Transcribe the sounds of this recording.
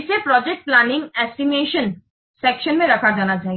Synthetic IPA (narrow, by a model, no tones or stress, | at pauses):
t͡ɕʰepɾɔd͡ʑek̚ʈ̚planiŋɛsʈimeʃən | sekʃənmẽɾɐkʰad͡ʑanad͡ʑai